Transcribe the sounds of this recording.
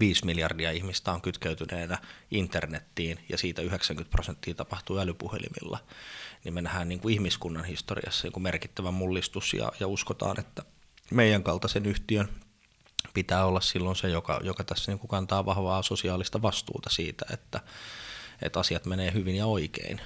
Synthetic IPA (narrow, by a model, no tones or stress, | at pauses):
ʋiːsmiljɑrdiɑihmist̪æoŋkyt̪keyt̪yneːnæʔint̪ernet̪ːiːnjɑ̰siːt̪æyheksæŋkynt̪prosent̪ːiːt̪ɑpɑht̪uːælypuhḛlḭmḭlːɑ̰nimmenæhæːnniːŋkuihmiskunːɑnhist̪orḭɑ̰sːɑnḭːŋkumerkit̪ːæʋæmmulːist̪usjɑ̰jɑuskot̪ɑ̰ːnet̪ːæ | meijæŋkɑlt̪ɑsenyht̪iøn | pit̪æːolːɑssilːonsejokɑ̰jokɑt̪æsːæniːŋkukɑnt̪ɑːʋɑhʋɑːsosiɑːlist̪ɑʋɑst̪ṵːt̪ɑsiːt̪æḛt̪ːæ | ḛt̪ɑsiɑt̪meneːhyʋinjɑoikḛin